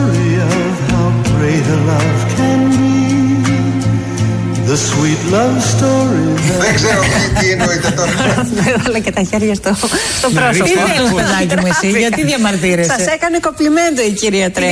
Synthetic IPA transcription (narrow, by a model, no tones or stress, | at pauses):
ɹiʌ | haʊbɹeɪɾəlaɪfkʰɨ̃nbi | ðəswitlʌvstɔɹiðeɡzɛɾot̪ienoit̪et̪ɐeɾɐlɐcet̪ɐçeɾʝɐst̪ost̪opɾosipeðɐcimuesiʝɐt̪iðjɐmɐɾt̪iɾessɐesekɐnekoplimend̪oiciɾiɐt̪ɾe